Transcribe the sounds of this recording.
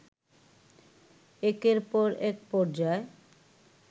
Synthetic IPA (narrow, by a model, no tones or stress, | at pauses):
ekeɾpɔɾɛk̚pɔɾd͡ʑae